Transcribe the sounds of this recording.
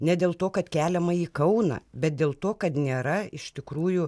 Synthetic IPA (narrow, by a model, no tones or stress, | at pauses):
nʲɛd̪ʲeːlˠt̪oːkɐt̪kʲæːlʲɛmɐiːkɐʊnɐ̰bʲɛt̪̚d̪ʲeːlˠt̪oːkɐt̪nʲeːɾɐɪʃt̪ʲɪkɾuːjʊ